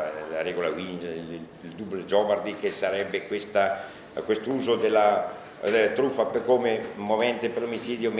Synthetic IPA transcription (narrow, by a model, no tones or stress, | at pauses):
laɾɛɡolawin | ld̪ublod͡ʒɔvard̪ikesaɾɛbːekwest̪a | kwest̪ouːzod̪elːa | t̪ɾufapekomemovɛnt̪epelomit͡ʃiːd̪jom